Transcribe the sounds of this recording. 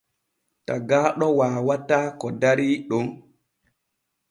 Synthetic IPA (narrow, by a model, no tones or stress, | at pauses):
taɡaːɗɔwaːwataːkɔdaɾiːɗum